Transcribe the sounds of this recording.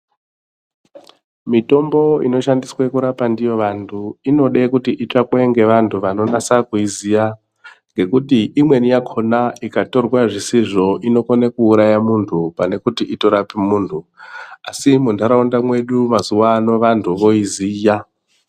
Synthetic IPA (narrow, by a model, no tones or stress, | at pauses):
mito̞mbo̞ḭno̞ʃandiswekuɾapandijo̞ʋantʰuino̞ɗekutiʔit͡ʂakweŋɡe̞ʋantʰuʋano̞nasakuizija | ŋɡe̞kutiʔimwe̞nijakʰo̞naikato̞rwaʐisiʐo̞ʔino̞konekuːɾajamuntʰupane̞kutiʔito̞ɾapimuːntʰuasimundʱaɾaundamwe̞ɗumazuwaːno̞ʋantʰuʋo̞iziːja